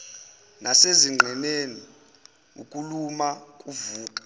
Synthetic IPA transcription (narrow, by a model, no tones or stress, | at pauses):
nʔaseziŋ͡ǁʱɛneni | ṵkʼulumakʼuvuːkʼḁ